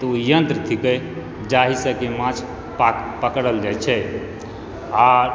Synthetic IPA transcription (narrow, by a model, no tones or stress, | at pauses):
t̪ujənt̪ɾət̪ʰikə | d͡ʒaɦisəkemãt͡ʃʰ | ppəkɽəld͡ʒat͡ʃʰɛ | a